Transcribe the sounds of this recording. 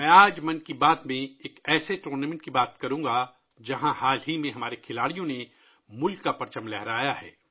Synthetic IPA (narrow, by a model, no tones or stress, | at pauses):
mɛ̃ːaːd͡ʒmɐnkibaːt̪mẽeːkɛːseʈuːɾnamẽɳʈkibaːt̪kɐɾũːɡa | d͡ʒɐɦãhaːlɦimẽɦɐmaːɾekʰɪlaːɽijõne | mʊlkːapɐɾt͡ʃəmlɛɦɾaːjaɦɛ̰ː